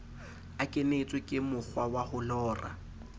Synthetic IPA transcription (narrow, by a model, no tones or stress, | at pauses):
akʼɪnet͡sʼwɪkʼɪmʊk͡xʰwawahʊlɔːra̰